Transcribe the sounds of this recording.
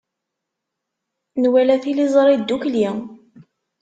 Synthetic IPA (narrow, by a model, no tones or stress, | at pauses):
nwælæθilizˤɾˤid̪ːukli